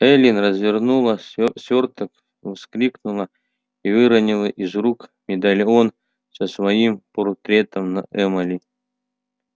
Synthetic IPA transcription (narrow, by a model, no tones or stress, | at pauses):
ɛlʲinrəzvʲɪrnulˠəsʲort̪ək | vsklʲiknulˠə | ivɨɾənʲilˠəʔizrukmʲɪd̪alʲon | səsvɐimport̪ɾʲet̪əmnɐ̰ʔɛmɐlʲi